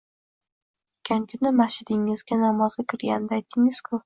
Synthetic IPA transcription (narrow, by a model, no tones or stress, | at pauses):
kʲʰaŋkʲʰʊnɪmaʃɪd̪ɪŋɪzɡʲanamɒz̥ɡɪkʲʰɪɾɡʲand̪aajt̪ʰɪŋɪz̥kʰʊ